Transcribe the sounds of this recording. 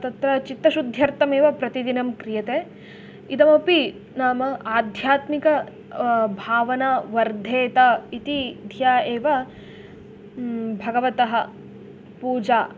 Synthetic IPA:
t̪ɐt̪ɾɐt͡ʃit̪ːɐʃud̪ʱjɐɾt̪ɐmeːʋɐpɾɐt̪id̪inɐmkɾijɐt̪eː | id̪ɐmɐpi | naːmɐaːd̪ʱjaːt̪mikɐ | bʱaːʋɐnaːʋɐɾd̪ʱeːt̪ɐit̪id̪ʱjaːeːʋɐ | bʱɐɡɐʋɐt̪ɐɦɐ | puːd͡ʒaː

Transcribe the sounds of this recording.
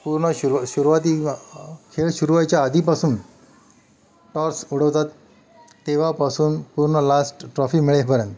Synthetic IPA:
puɾɳəɕuɕuɾuʋat̪iː | kʰeɭɕuɾuʋajt͡ɕjaːd̪ʱipasuːn | ʈɔɾsuɽ̤əʋt̪at̪ː | eʋ̤apasuːnpuɾɳəlasʈʈɾɔfiːmiɭepəɾənt̪

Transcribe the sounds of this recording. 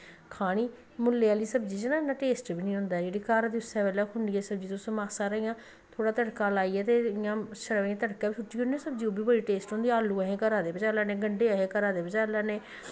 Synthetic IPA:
kʰaːɽ̃iː | mʊlːeːaːliːsəbd͡ʒiːd͡ʒenãːɪnːãːʈeːsʈbiːnĩːɦʊ̃nd̪aːɛd͡ʒeːɽiːkaːɾad̪iːʊsɛːbɛːlãːkʰʊɳɖiːɛːsəbd͡ʒiːt̪ʊsõːmaːsaːɾəɦijãː | t̪ʰoːɽaːt̪əɽkaːlaːiːɛːt̪eːɪjãːʃəɾʋãːt̪əɽkaːbiːt͡ʃʰʊʈːiːʊndiɛ̃ːsəbd͡ʒiːoːbiːbəɽiːʈeːsʈɦõːnd̪iaːlːuːəɦẽːkəɾaːd̪eːbəd͡ʒaːlaːnẽːɡəɳɖeːəɦẽːkəɾaːd̪eːbəd͡ʒaːlaːnẽː

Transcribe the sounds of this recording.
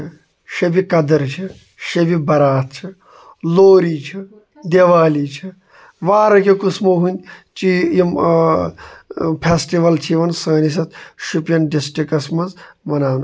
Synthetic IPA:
ʃebikɐd̪ɐɾt͡ʃʰi | ʃɐbibɐɾaːt̪̚t͡ʃʰi | loːɾiːt͡ʃʰi | d̪eʋaːlit͡ʃʰi | ʋaːɾɐkʲekusmoɦunʲt͡ʃijim | pʰeːsʈiʋɐlt͡ʃʰiʋɐnsɐːnis̬ɐt̪̚ʃupjɐnɖisʈɾikɐsmɐzmɐnaːn

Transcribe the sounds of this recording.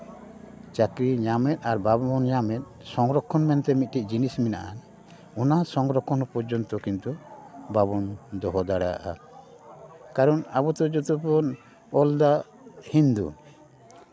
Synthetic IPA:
t͡ʃakɾiɲamɛt̪̚aɾbabɔɔnɲamɛt̪̚ˀsɔŋɾɔkʰːɔnmɛnt̪ɛmit̪̚ˀʈiʔ̚d͡ʒinismɛna̰ʔan | ɔnasɔŋɡɾɔkʰːɔnɔpɔɾd͡ʒɔnt̪ɔkint̪ubabɔnd̪ɔɦɔd̪aɽaa̰ʔa | kaɾɔnabɔt̪ɔd͡ʒɔt̪upɔn | ɔld̪a | hind̪ṵ

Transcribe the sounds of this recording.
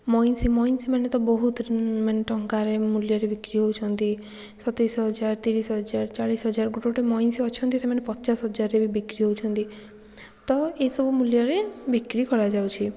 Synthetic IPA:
mɔjnsimɔjnsimanet̪ɔbɔɦut̪ɾmenʈɔŋkaɾemuljɔɾebikɾiɦowt͡ʃʰɔnt̪i | sɔt̪ɾisɦɔɦɔd͡ʒaɾt̪iɾisɦɔɦɔd͡ʒaɾt͡ʃaɭisɦɔd͡ʒaɾɡuʈoʈemɔjnsiɔt͡ʃʰɔnt̪isemanepɔt͡ʃasɦɔd͡ʒaɾːebibikɾiɦout͡ʃʰɔnt̪i | t̪ɔesɔbumuljɔɾebikɾikɔɾad͡ʒawt͡ʃʰi

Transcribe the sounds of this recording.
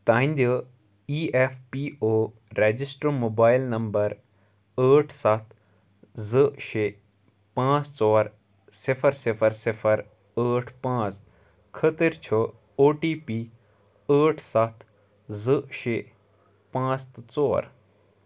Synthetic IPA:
t̪ãːĩnd̪ʲə | iːefpiːoː | ɾeːd͡ʒisʈɾəmoːbaːjɪlnɐmbəɾ | əːʈʰsɐt̪ʰ | zəʃeː | pãːt͡st͡sɔːɾ | sɪfʰəɾsɪpʰəɾsɪpʰəɾ | əːʈʰpãːt͡s | kʰət̪əɾt͡ʃʰə | oːʈiːpiː | əːʈʰsɐt̪ʰ | zəʃeː | pãːt͡st̪t͡sɔːɾ

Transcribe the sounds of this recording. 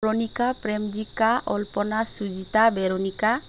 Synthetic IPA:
ɾonikapɾemd͡ʒikaʔɔlpɔnasud͡ʒit̪abeɾonika

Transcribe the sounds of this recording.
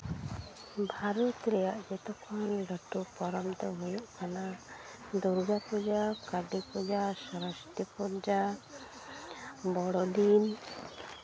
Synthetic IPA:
bʱaɾɔt̪ɾɛjaʔd͡ʒɛt̪ɔkʰɔnɖəʈupɔɾɔmt̪ɔɦɔjɔʔkʰanad̪ɔɾɡapɔd͡ʒakaɖipɔd͡ʒasɔɾɔst̪ipɔɾd͡ʒa | bɔɽɔd̪in

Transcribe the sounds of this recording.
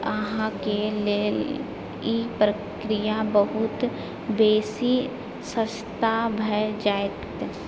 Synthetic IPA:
əɦãkele | ipɾə | kɾijabəɦʊt̪ | beːsi | səst̪abʱəjd͡ʒaːɪt̪

